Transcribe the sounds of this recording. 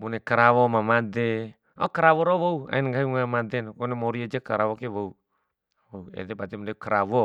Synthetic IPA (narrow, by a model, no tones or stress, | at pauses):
bunɛkaɾawomamade | okaɾawoɾowoua̰inɡaɦiŋamadɛnkonemoɾiad͡ʒakaɾawokewou | wouɛ̰dɛbat̪ɛmdaukaɾawo